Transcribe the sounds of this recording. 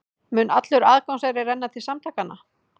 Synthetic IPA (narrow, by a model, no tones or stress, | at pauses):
mʏnat̪lʏɾaːðkaŋsaɣɾɪrɛnːat̪ʰɪsamt̪ʰaːkanːa̰